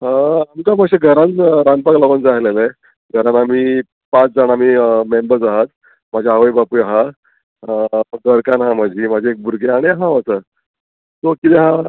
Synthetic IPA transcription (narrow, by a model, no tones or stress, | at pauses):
amkaməkɕeɡʱəɾãnt͡sɾanpaklɔɡənd͡zaɦlele | ɡʱəɾãnamiː | pat͡sd͡zaɳamiːmembəɾd͡zaɦat̪ | mad͡ʑʱaaʋəjbapujɦa | ɡəɾkanɦãmad͡ʑʱimad͡ʑʱeek̚bʱuɾɡeaɽ̃iɦãʋat͡sə | t̪okit̪ɛɦã